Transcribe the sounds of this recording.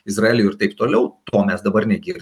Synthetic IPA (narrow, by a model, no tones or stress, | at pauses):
ɪsrɐeːlʲʊːɪɾt̪ɐɪpt̪oːlʲɛʊt̪oːmʲɛsd̪ɐbɐrnʲɛɡʲiɾ